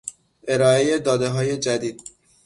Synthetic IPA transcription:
ʔe̞ɾɒːe̞je̞d̪ɒːd̪e̞ɦɒːje̞d͡ʒæd̪iːd̪̥̚

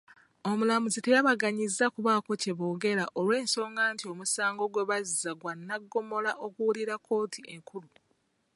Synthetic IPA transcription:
o̞mulamuzite̞jaβaɡaɲizːakuβaːko̞ce̞βo̞ːɡe̞ɾaʔo̞lwe̞ːnso̞ːŋɡaːntio̞musaːŋɡo̞ɡwe̞βazizaɡwanːaɡːo̞mo̞laʔo̞kuwuliɾakʰːo̞ːtʰie̞ŋkulu

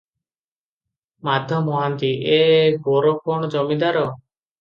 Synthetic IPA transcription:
mad̪ʱjɔmɔɦant̪iebɔɾɔkɔɳɔd͡ʒɔmid̪aɾɔ

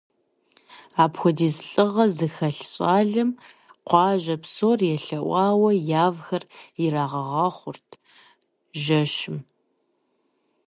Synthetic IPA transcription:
aːpxʷɔdiːzɬʼɨʁɐzɨxɐɬɕʼaːɮɐm | qʷɑːʒɐpsoːrjɛɬɐʔʷɑːwɐjaːvxɐrjɪɾaːʁɐʁɑːχʷʊrtʰ | ʒɐʃɪm

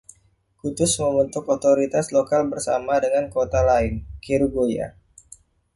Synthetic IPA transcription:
kut̪ʊsməmbənt̪ʊkot̪oɾit̪aslokalbərsamadəŋankot̪alaɪnkiɾuɡoja̰

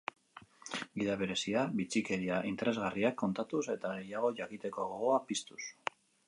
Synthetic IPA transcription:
ɡiðaβ̞e̞ɾe̞siaβit͡sike̞ɾiaʔint̪e̞ɾe̞zɣariakːo̞nt̪at̪use̞t̪aɣe̞jaɣ̞o̞ʝakit̪e̞ko̞ɣoɣoapist̪us

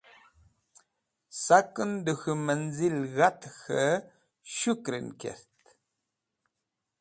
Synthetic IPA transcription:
sakːɨndəɣɨmənzilɣatxə | ʃukɾḭnkɛ̰ɾt

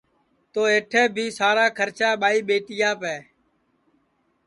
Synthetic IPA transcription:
t̪oːeːʈʰɛːbʱiːsaːɾaːkʰəɾt͡ʃaːɓaːiːɓeːʈɪjaːpɛː

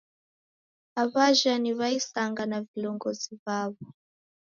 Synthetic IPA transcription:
aβaʒaniβaisaŋɡanavilɔŋɡɔzivaβɔ

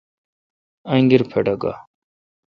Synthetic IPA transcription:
ɐŋɡiɾpʰeɖɐɡa̰

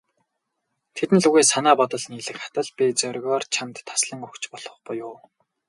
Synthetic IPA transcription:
t̪ʰet̪ɘ̆nɮuɣeːsanaːpɔt̪ɞ̆ɮniːɮɘ̆kχḁt̪ə̆ɮpʲit͡sœɾʲɣɔːrt͡ɕʰamt̪ʰːḁsɮə̆ŋɵkt͡ɕpɔɮ̥ɞ̆χpʊjʊː

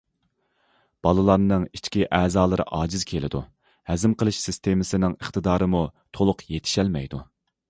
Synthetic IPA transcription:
b̥ɑlˠɨlˠɑɾnɨŋit͡ʃkʲiʔɛːzɑːlˠɨɾɨ̰ʔɑːd͡ʒɪz̥kʲʰelɪ̰d̪u | hæzɪmqʰəlˠɨʃsɪst̪ʰemɪsɪnɪŋəχt̪ɨd̪ɑːɾɨmut̪ʰolˠʊqjet̪ʰɪ̥ʃɛlmɛjd̪u

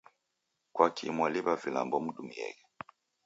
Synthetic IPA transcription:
kwakʰimwaliβavila̰mbɔm̩ɗumiɛ̰ɣɛ

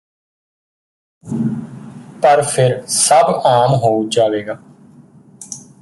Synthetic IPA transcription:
pəɾpʰɪɾsəbaːmɦoːud͡ʒaːʋeːɡaː

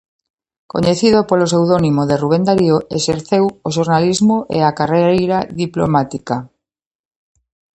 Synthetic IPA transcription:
ko̰ɲeθiðopolos̬ewðonimoðeruβ̞end̪aɾjoeseɾθewoʃ̬oɾnalizmoʔḛakareejɾaðiplo̰mat̪ika

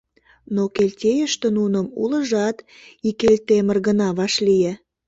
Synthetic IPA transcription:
nokelʲtʲejəʃt̪ĕnunəmuləʒɑt̪ | ikelʲt̪emərɣənɑβɑʃlije

